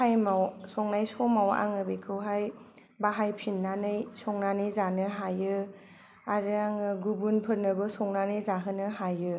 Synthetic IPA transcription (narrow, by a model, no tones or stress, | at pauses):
ajmawsɔŋnajsɔmawa̰ŋɯbekʰɯwɦaj | baɦajpʰinːanɯjsɔŋnanɯjzanɯɦajɯ | aɾɯaŋɯɡubunpʰɯɾnɯbɯsɔŋnanɯjzaɦɯnɯɦajɯ